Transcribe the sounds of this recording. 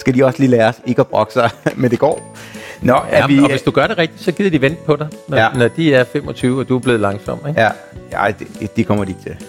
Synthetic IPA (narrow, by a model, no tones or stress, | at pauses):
sɡ̥æd̥iɒ̽sliːlæːɐɒse̝ɡ̥əɒb̥ʁɒɡ̥əsɑ̈ɪmend̥e̝ɡ̥ɒ̰ː | nɒæʋiɒʋesd̥uɡ̥ɶɐɾ̥e̝ʁɛɡ̥̚d̥id̥sɒ̽ɡ̥ið̰ˠɐd̥iʋen̰d̥əpʰɒ̽ɾɑ̈ɪnɒnɒd̥iæɐfem̰ɒ̽t͡sʰyːʊɒ̽d̥uæɐb̥le̝ːð̞̩ˠlɑ̈ŋsɒ̽m̰d̥eɡ̥ | ɑ̰ɪd̥e̥d̥e̝kʰɒ̽m̰ɐd̥ie̝ɡ̥t͡sʰe̝l